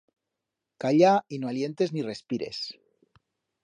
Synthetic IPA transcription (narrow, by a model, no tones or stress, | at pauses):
kaʎainoalje̞nt̪e̞znire̞spiɾe̞̰s